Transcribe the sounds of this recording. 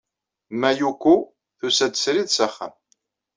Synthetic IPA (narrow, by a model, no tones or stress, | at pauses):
mæjukʷːu | θusæd̪əsɾiðsəχːə̰m